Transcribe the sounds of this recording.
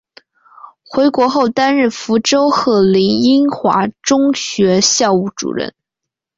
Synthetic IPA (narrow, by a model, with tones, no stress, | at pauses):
xwe˧˥ɪkwɔ˧˥xo˥˩ʊt̪a˥nɻ̩˥˩fu˧˥ʈ͡ʂo˥ʊxɤ˥˩li˧˥ŋi˥nxwa̰˧˥ʈ͡ʂʊ˥ŋɕɥɛ˧˥ɕjɑ˥˧ʊu˥˩ʈ͡ʂṵ˨˩ɻə̰˥˩n